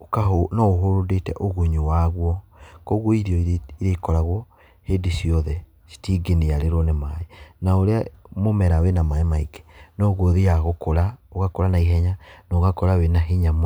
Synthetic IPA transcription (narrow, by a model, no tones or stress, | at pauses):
okaɦonɔoɦoɾodetɛ̰ʔoɣuɲuwaɣwɔkɔɣwɔiɾiɔiɾeikɔɾaɣwɔ | hedesiɔðɛ | si̥tiːɡeneaɾeɾɔnemaenaoɾeamomɛɾawenamaemaiɡe̥nɔɣɔðijaɣokoɾaoɣakoɾanaiɦɛɲanɔɣakɔɾawenaɦiɲam